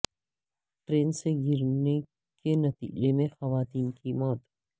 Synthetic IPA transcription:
ʈɾeːnseɡʱɪɾne | kenɐt̪ḭːd͡ʒemẽxɐʋaːt̪iːnkimɔːt̪

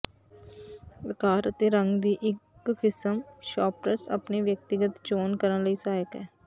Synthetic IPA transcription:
əkaːɾət̪eːɾəŋɡd̪iːʔɪkkʰɪsəmʃɔːpɾəsa̰pneːʋjək̚t̪ɪɡət̪t͡ʃoːnkəɾənləiːsaːjəkɛː

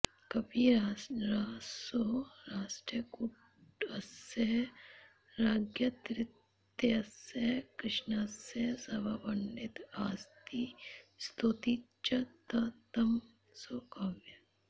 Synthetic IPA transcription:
kɐbiɾaːsoɾaːʃʈɾijku | ɐsɐɦ | ɾaːɡjɐt̪ɾɪt̪ | jɐɐsjɐɦkɾɪʃnasjɐsɐbabɐnːɪt̪aːst̪iːst̪ʰut̪i | t͡ʃɐt̪ɐt̪ɐm | soːkaʋjɐ

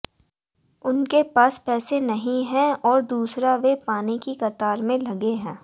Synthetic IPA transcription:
ʊnkepaːspɛːsenɐɦĩɦɛ̃ɔːɾd̪uːsɾaʋepaːnikikɐt̪aːɾmẽlɐɡeɦɛ̃ː

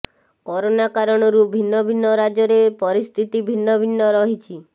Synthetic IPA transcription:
kɔɾonakaɾɔɽ̃ɔɾubʱinːɔbʱinːɔɾad͡ʒɔɾepɔɾist̪ʰit̪ibʱinːɔbʱinːɔɾɔɦit͡ʃʰi

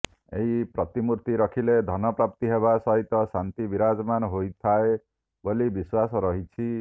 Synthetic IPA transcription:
eɦipɾɔt̪imuɾt̪iɾɔkʰiled̪ʱɔnɔpɾap̚t̪iɦeβasɔɦit̪ɔsant̪ibiɾad͡ʒmanɔɦojt̪ʰae | bolibiswasɔɾɔɦit͡ʃʰi

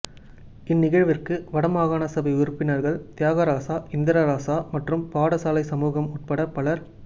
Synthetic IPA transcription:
ɪnːɪɣɐɻʋɪrkɯʋɐɽɐmaːɣaːnɐsɐbɐɪʊɾɯpːɪnɐɾɣɐɭt̪ɪjaːɣɐɾaːsaːɪnd̪ɪɾaɾaːsaːmɐʈrɯmpaːɽɐsaːlɐɪsɐmuːɣɐmʊʈ̚pɐɽɐpɐɭɐɾ

